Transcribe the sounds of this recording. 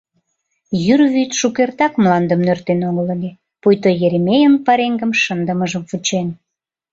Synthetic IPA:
jyrβyt̪ʃukert̪ɑkmlɑnd̪əmnørt̪enoɣələlʲe | pujt̪ojeɾemʲejənpɑɾeŋɡəmʃənd̪əməʒəmfut͡ɕen

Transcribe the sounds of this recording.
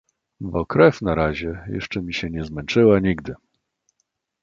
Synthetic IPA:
bɔkɾɛfnaɾaʑɛjɛ̰ʂt͡ʂɛmʲiɕɛɲɛzmɛnt͡ʂɘwaɲiɡd̪ɘ

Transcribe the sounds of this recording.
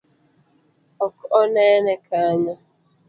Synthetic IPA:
ɔkɔʔɔneenekaaɲa

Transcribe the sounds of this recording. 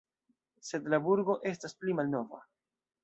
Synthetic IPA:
se̞dlabuɾɡo̞ʔe̞stasplimalno̞va̰

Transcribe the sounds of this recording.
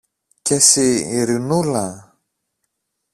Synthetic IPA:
cesiːɾinula

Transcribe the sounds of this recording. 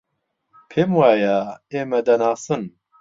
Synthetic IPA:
pʰeːmwaːjaeːmɛd̪ɐnaːsɨn

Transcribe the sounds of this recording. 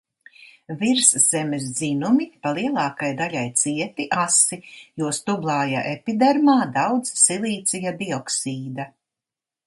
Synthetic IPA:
viɾsz̥ɛmes̬zinumipalˠiɛlˠɑːkajd̪alʲajt̪siɛt̪iʔasijuɔst̪ublˠaːja̰ʔepid̪eɾmaːd̪awd̪z̥silˠiːt̪sijad̪iɔksiːd̪a

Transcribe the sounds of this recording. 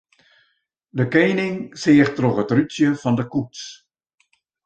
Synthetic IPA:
dəkeːnɪŋsɪəxtroxətrytjəfɔndəkuts

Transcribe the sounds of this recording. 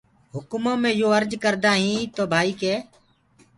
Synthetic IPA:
ɦʊkʊmãːmẽːjoːəɾd͡ʒkəɾd̪aːɦĩːt̪oːbʱaːiːkeː

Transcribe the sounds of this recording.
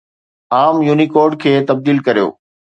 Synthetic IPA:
aːmjuːnikoːɾɖ̚kʰeːt̪ɐb̚d̪iːlkɐɾijo̰ː

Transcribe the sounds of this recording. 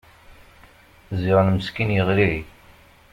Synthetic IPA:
zɪʁnməskinjəʁliʕi

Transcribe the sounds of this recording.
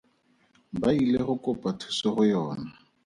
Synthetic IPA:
baileχʊkʼʊpʼatʰu̥sɔχʊjɔːna

